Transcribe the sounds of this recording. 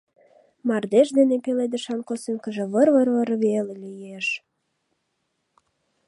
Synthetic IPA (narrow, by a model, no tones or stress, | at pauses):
mɑrd̪eʃd̪enepeled̪əʃɑnkosyŋkəʒĕβərβərβəɾβelelʲyjeʃ